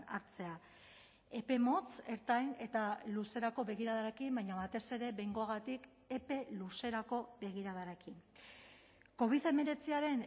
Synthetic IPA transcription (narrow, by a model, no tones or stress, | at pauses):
aɾt͡se̞a | e̞pe̞mo̞t͡se̞ɾt̪ajne̞t̪aluse̞ɾako̞βe̞ɣ̞iɾað̞aɾekimbajɲaβat̪e̞se̞ɾe̞βe̞jŋɡo̞aɣ̞at̪ik | e̞pe̞luse̞ɾako̞be̞ɣ̞iɾaðaɾekin | ko̞β̞iðe̞me̞ɾe̞t͡siaɾe̞n